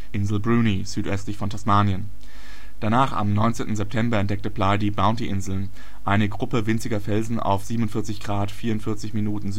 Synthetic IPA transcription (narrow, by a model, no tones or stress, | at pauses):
ʔɪnzl̩bʁuːniz̥yːtʔœstlɪçfɔntʰasmaːnjən | d̥anaːχa̰mnɔʏnt͡seːntn̩zɛp̚tʰɛmbɐɛntd̥ɛk̚təpladiːbaʊntiʔɪnzl̩n | ʔaɪnəɡʁʊpəvɪnt͡sɪɡɐfɛlzn̩ʔa̰ʊfz̥iːbmnʊntfɪɐt͡sɪçɡ̥ʁaːtfiːɐʊntfɪɐt͡sɪçminuːtn̩z